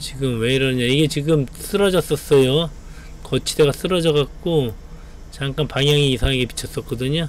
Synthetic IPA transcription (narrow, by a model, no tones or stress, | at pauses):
t͡ɕiɡɯmwe̞iɾʌɲaiɡe̞t͡ɕiɡɯms͈ʰɯɾʌd͡ʑʌs͈ʌs͈ʌjo | kʌt͡ɕʰide̞ɡas͈ɯɾʌd͡ʑʌɣak̚k͈o | t͡ɕaŋk͈anpaŋjaŋiːsʰaŋeɡe̞pi̥t͡ɕʰʌs͈ʌk͈ʌdɯɲo